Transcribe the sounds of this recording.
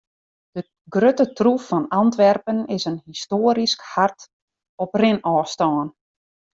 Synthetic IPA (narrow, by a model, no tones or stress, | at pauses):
d̥ə | ɡrøtətrufːɔnantʋɛrpənɪsənhistoːəɾiskhart | ɔprɪnɔːstɔːn